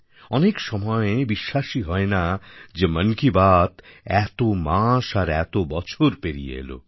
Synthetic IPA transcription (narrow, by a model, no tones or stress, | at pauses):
ɔnekʃɔmɔebiʃːaʃiɦɔenad͡ʑemənkibat̪ɛt̪omaʃaɾɛt̪obɔt͡ɕʰoɾpeɾḭjḛlo̰